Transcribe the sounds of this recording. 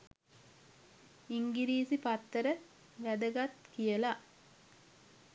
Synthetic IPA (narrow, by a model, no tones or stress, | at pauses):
iŋɡiɾiːsipat̪ːəɾə | ʋæd̪əɡat̪kijəla